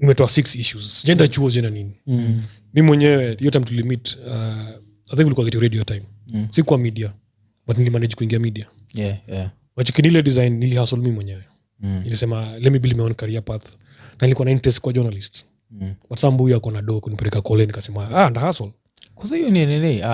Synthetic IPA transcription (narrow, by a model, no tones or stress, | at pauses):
nimɛtɔasiksiʃuzd͡ʒɛndat͡ʃuɔd͡ʒɛnanini | mimimwɛɲɛwɛhijɔtaimtuilimita | aθiŋkulikuaɡɛtiɾɛdiɔtajm | sikuwamidia | batnilimanɛd͡ʒkuiŋɡiamiɗia | wat͡ʃɛkinilɛdizajnːilihasɔlmimwɛɲɛwɛ | nilisɛmalɛmibilimɛɔnkaɾiapat̪ | nanilikuwanaintɾɛstkwad͡ʒɔnalists | batsambujakɔnaɗɔkunipɛɾɛkakɔlɛnikasɛmaaandahasɔl | kɔzahijɔniɛnɛlɛ